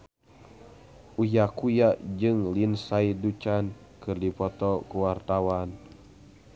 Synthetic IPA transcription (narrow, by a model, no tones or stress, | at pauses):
ʔujakujad͡ʒɨŋlinsaidut͡ʃan | kɨrdipɔt̪ɔkuwart̪awan